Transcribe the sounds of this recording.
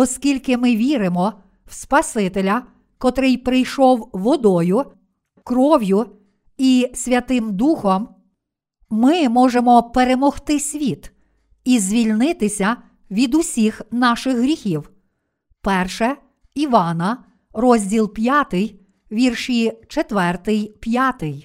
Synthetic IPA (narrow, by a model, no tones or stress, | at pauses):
ɔskʲilʲkɪmɪʋʲiɾɪmɔ | wspɐsɪt̪elʲɐ | kɔt̪ɾɪjpɾɪjʃɔwʋɔd̪ɔjʊ | kɾɔʋʲjʊ | isʲʋʲɐt̪ɪmd̪uxɔm | mɪmɔʒemɔpeɾemɔxt̪ɪsʲʋʲit̪ | izʲʋʲilʲnɪt̪ɪsʲɐ | ʋʲid̪ʊsʲixnɑʃɪxɦɾʲixʲiw | pɛrʃɛ | iʋɑnɐ | ɾɔzʲdʲilˠpʲjɑt̪ɪj | ʋʲirʃit͡ʃet̪ʋɛrt̪ɪjpjɑt̪ɪj